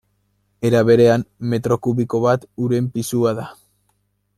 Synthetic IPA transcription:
e̞ɾaβe̞ɾe̞amːe̞t̪ɾo̞kuβiko̞βat̪uɾe̞mpisuaða

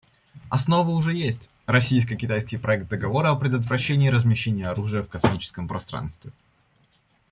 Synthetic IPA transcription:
ɐsno̞vəʊʐɛjesʲtʲ | rɐsʲijs̬kəjkʲɪt̪ajskʲɪjpɾɐɛk̚t̪̚d̪əɡɐvo̞ɾəɐpɾʲɪd̪ət̪vɾɐɕːenʲɪːɾəzmʲɪɕːenʲɪjəɐɾuʐɨjəfkɐsmʲit͡ɕɪ̥skəmpɾɐst̪ɾa̰nst̪vʲɪ

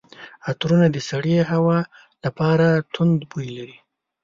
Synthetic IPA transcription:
at̪ɾunad̪əsaɽeɦawɑ | lapɑɾat̪ʰʊnd̪bujlaɾi

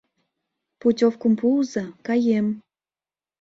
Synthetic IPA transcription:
putʲofkumpulzəkɑjem

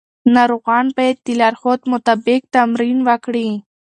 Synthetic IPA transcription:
naɾuɣɑnpaet̪̚t̪ːilɑɾxot̪mʊt̪abɪk̚t̪amɾinwakɽi

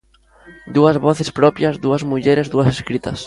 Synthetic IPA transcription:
d̪uɐzβɔθespɾɔpjɐzðuɐzmuʎeɾezðuɐseskɾit̪ɐs

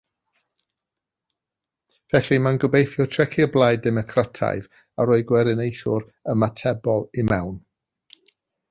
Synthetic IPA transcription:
v̥ɛɬimanɡəbejθjɔtʰrɛkʰɪblˠajdɛmɔkʰratʰa̰jv | aɾoːɨɡwɛɾɪnejθʊɾ | əmatʰɛbɔlˠimɛwn

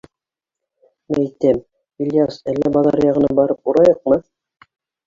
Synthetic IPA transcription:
mæt̪æm | ilʲjasælːæbɑðɑ̰ɾjɑʁɤ̆nɑbɑɾɤpuɾɑjɤq̚mɤ

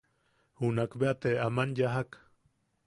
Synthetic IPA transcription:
hunakbeat̪eamanjaɦak

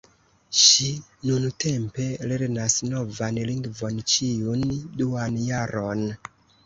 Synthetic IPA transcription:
ʃinunte̞mpe̞le̞ɾnasno̞vanliŋɡvo̞nt͡ʃiunduanjaɾo̞n

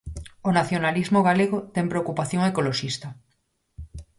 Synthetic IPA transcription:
onaθjonalizmoɣaleɣot̪ɛŋmpɾeokupaθjoŋekoloʃist̪ɐ

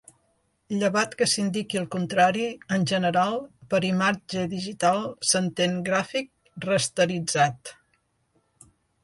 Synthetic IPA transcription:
ʎəβat̪kəsind̪ikiəlˠkunt̪ɾaɾiənʲʒənəɾalˠpəɾimad͡ʒəðiʒit̪alˠsənt̪eŋɡɾafik̚ | rəst̪əɾid͡zat̪

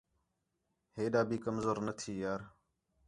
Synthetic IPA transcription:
heːɗaːbiːkəmzoːɾnət̪ʰiːjaːɾ

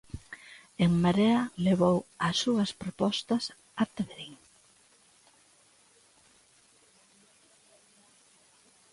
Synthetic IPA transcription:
eŋmaɾeɐleβowɐsːuɐspɾopɔst̪ɐs | at̪eβeɾiŋ

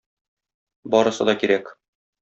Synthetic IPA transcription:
bɒɾɤ̆sɤ̰d̪ɒkiɾæk

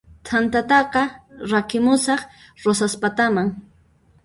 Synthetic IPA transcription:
t̪ʰant̪at̪ɑqɑɾakɪmʊsɑχ | ɾosaspat̪amaŋ

